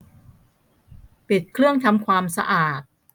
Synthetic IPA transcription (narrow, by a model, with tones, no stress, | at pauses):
pi˨˩t̪̚kʰɾɯ˥˩əŋt̪ʰa˧mkʰwaː˧msa̰˧ʔaː˨˩t̪̚